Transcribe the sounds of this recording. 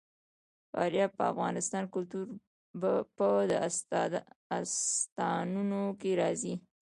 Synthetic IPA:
fɑ̰ɾjapəa̰fɣɑnɪst̪ɑnkʊlt̪uɾ | bpəd̪ə | ast̪ɑnunokeɾɑzi

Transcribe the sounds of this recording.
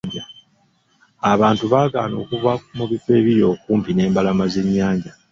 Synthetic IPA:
ɲɟa | aβaːntuβaːɡa̰ːno̞ːkuvak̚umuβifwe̞ːβiɾjo̞ːkuːmpine̞ːmbalamaze̞ɲːaːɲɟa

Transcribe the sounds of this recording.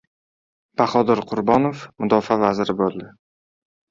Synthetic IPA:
b̥aχɒd̪ɪɾqʰʊɾbɒnofmʊd̪ɒfavazɾɪbolˠd̪ɪ

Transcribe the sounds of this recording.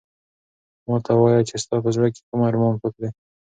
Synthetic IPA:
mɑt̪ʰawɑjat͡ʃest̪ɑpəzɽake̥kumaɾmɑnpəkɽe

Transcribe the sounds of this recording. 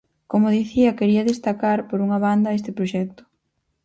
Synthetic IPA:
komʊðiθiɐkeɾiɐðest̪akaɾpoɾuŋɐβ̞and̪ɐest̪ɪpɾoʃɛk̚t̪ʊ̥

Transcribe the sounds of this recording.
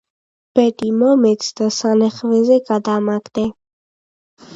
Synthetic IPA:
b̥ɛt̪ʼimɔmɛt̪sʰd̪asanɛχvɛzɛɡad̪amaɡd̪ɛ

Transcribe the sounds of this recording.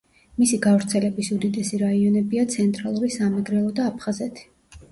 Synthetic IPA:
misiɡavɾt̪sʰɛlɛbisud̪id̪ɛsiɾaiɔnɛbiat̪sʰɛnt̪ʼɾalˠuɾisamɛɡɾɛlˠɔd̪aːpʰχazɛt̪ʰi̥

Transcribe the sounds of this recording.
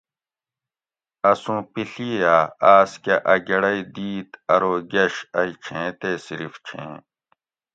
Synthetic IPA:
ɐsũːpiɬiaːaːskɐʔɐɡɐɽɐid̪iːt̪ɐɾoːɡɐɕɐit͡ɕʰẽːt̪eːsiɾift͡ɕʰḛ̃ː

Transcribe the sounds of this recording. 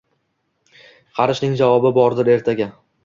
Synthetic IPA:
qʰɑɾɪʃnɪŋd͡ʒavɒbɪbɒɾd̪ɪɾe̞ɾt̪ʰaɡʲa

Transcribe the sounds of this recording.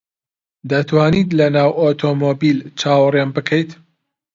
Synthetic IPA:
d̪ɐt̪waːnit̪lɐnaːwʔot̪ʰomobilt͡ʃaːwrjanbɨkʰəjt̪

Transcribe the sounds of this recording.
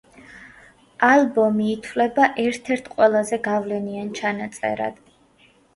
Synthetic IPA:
alˠbɔmiːt̪ʰwlɛbaʔɛɾt̪ʰɛɾt̪ʰqʼwɛlˠazɛɡavlɛniant͡ʃʰanat̪sʼɛ̰ɾa̰d̪̥

